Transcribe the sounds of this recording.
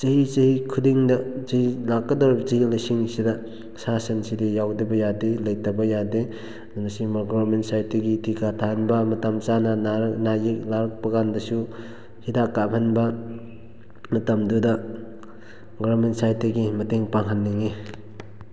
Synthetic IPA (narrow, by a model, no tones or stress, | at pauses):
t͡ʃɐɦit͡ʃɐhikʰudiŋdɐt͡ʃɐhilakːɐdɔɾbt͡ʃɐhilɐjsiŋsidɐ | sasɐnsidijawdɐbɐjadelɐjtɐbɐjade | nnɐsimaɡɔɐɾmentsajtːeɡitʰikʰatʰahanbɐmɐtɐmt͡ʃanɐnɾnajik̚laɾɐk̚pɐɡandɐsu | hidakːamʰɐnbɐ | mɐtɐmdudɐ | ɡɔwɐɾmensajteɡimɐteŋpaŋɦanːiŋi